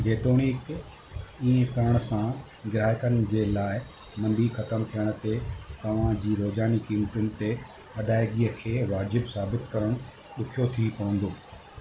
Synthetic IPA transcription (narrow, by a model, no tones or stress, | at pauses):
ɡeːt̪oːɽ̃ik | ĩːkɐɾəɽ̃ʊsã | ɡɪɾaːɪkənɪ̆d͡ʑeːlaːɪ | mɐ̃mbixɐt̪əmt̪ʰijəɽ̃ʊ̆t̪et̪ɐʋ̤ãd͡ʑiːɾoːzaːnikiːmʈʊnɪ̆t̪e | ɐd̪ʱaːɪɡiːəkʰeːʋaːd͡ʑɪbsaːbɪt̪kɐɾəɽ̃ʊ | ɗʊkʰijot̪ʰipɐɽ̤ə̃nd̪oː